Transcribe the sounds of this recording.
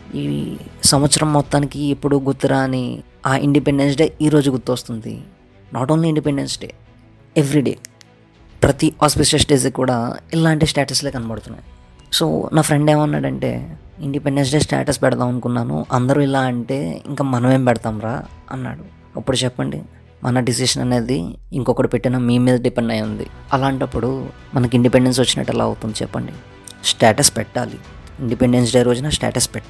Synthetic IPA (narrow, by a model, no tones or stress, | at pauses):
iːsɐmʋɐt̪sɐɾɐmːɔt̪ːaːnikiepːuɽuɡuɾt̪ːiɾaːni | aːʔḭɳɖipe̞ɳɖens̬ɖeːiːɾo̞ːd͡ʒuɡut̪ːiʋɐst̪und̪ḭ | naːʈoːnliiɳɖipeɳɖensɖḛː | eʋɾiɖe̞̰ː | pɾɐt̪iaːspisɐsʈeːs̬ikuːɽaːilaːɳʈisʈaːʈɐsle̞ːkɐnɐbɐɽut̪unːa̰ːji | so̰ːnaːpʰɾe̞ɳɖe̞ːmɐnːa̰ːɽɐɳʈe̞̰ː | iɳɖipe̞ɳɖens̬ɖeːsʈa̰ːʈɐspɛɽɐt̪aːmɐnukunːaːnṵʔɐnd̪ɐɾuːilaːɐɳʈe̞ːḭŋkaːmɐnɐme̞ːmpɛɽɐt̪aːmɾaːɐnːa̰ːɽu | ɐpːuɽut͡ʃɛpːɐɳɖḭ | mʔɐnɐɖis̬iʂɐnɐne̞ːd̪iiŋkɔkːɐɽipeʈːinɐmiːmiːd̪ɐɖipeɳɖɐjund̪ḭɐlaːɳʈɐpːuɽu | mɐnɐk̬iɳɖipeɳɖe̞ns̬ʋɐt͡ʃːinɐ̰ʈːɛla̰ːɐ̰wt̪und̪it͡ʃɛ̰pːɐ̰ɳɖi | sʈaːʈɐspɛʈːaːlḭ | iɳɖipeɳɖens̬ɖeːɾoːd͡ʒɐnɐsʈa̰ːʈɐspɛʈː